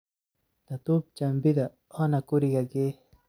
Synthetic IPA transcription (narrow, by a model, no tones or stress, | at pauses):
t̪at̪up̚t͡ʃambid̪a | anakʊɾiɡake